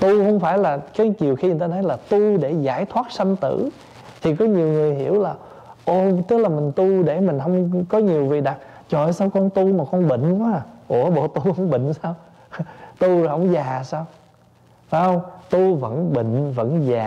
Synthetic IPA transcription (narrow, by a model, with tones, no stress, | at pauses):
t̪u˧hə˧wŋ͡mfaː˧˩jlaː˨˩kaː˨˦t͡ɕi˨˩əwxi˧ə˨˩t̪aː˧t̪ʰə˨˦jlaː˨˩t̪u˧ɗe˧˩za̰ː˧˩jt̪ʰwaː˦˥t̚sa˧ŋt̪ɨ̰˧˩˨ | t̪ʰi˨˩kɔ˨˦ɲi˨˩əwŋɨ˨˩əjɦḭ˧˩˥əwlaː˨˩ | ʔo˧˩t̪ɨ˦˥k̚laː˨˩mï˨˩ŋ̟t̪u˧ɗe˧˩mï˨˩ŋ̟hə˧wŋ͡mkɔ˨˦ɲi˨˩əwvi˨˩ɗa˨˩t̚t͡ɕɔ˧˨jsaː˧wkɔ˧nt̪u˧maː˨˩kɔ˧nɓḭ̈˧˨ŋ̟˧kwaː˨˦ʔu˧˩əɓo̰˧˨t̪u˧hə˧wŋ͡mɓḭ˧˨ŋ̟saː˧w | t̪u˧hə̰˧˥wŋ͡mzaː˨˩saː˧w | faː˨˦jhə˧wŋ͡mt̪u˧və̰˧˥nɓḭ̈˧˨ŋ̟və̰˧˥nzaː˨˩